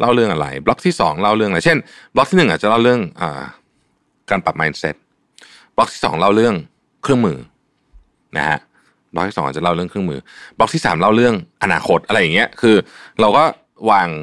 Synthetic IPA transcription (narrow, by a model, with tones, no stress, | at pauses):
la˥˩wɾɯ˥˩əŋʔa˧ɾa̰˧jblɔ˦˥k̚t̪ʰiː˥˩sɔ̰ː˩˦ŋla˥˩wɾɯ˥˩əŋʔa˧˩jt͡ɕʰe˥˩nblɔ˦˥t̪ʰiː˥˩ɯ˨˩ʔaː˨˩t͡ɕa˨˩la˥˩wɾɯ˥˩əŋʔə̰ː˨˩ | kaː˧npa˨˩maː˧nse˦˥t̪̚ | b̥lɔ˦˥k̚t̪ʰiː˥˩sɔ̰ː˩˦ŋla˥˩wɾɯ˥˩əŋ | kʰɾɯ˥˩əŋmɯː˧ | nʔa̰˦˥kʰa̰˦˥ʔ | bɔ˦˥i˥˩ɔ˩˦ŋʔ̚ːt͡ɕa˨˩la˥˩wɾɯ˥˩əŋkʰɯ˥˩mɯ̰ː˧˩b̥lɔ˦˥k̚t̪ʰiː˥˩saː˩˦mla˥˩wɾɯ˥˩əŋʔa˧naː˧kʰo˦˥t̪̚ʔa˧ɾa˧jːa˨˩ŋːni˦˥ɐ˧kʰɯː˧ɾa˧wkɔː˥˩ | waː˧ŋ